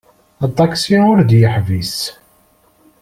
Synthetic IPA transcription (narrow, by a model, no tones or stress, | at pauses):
ɑt̪ˤːɑksiʊɾd̪jəħvis